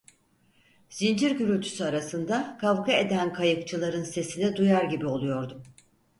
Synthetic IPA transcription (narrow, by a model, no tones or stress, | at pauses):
z̥ind͡ʒiɾɟyɾylʲt̪ʰy̥syaɾasɯnd̪akʰavkʰae̞d̪ænkʰajɯkt͡ʃʰɯlˠaɾɯnse̞sinɛd̪ujaɾɟibio̞lˠujo̞ɾd̪um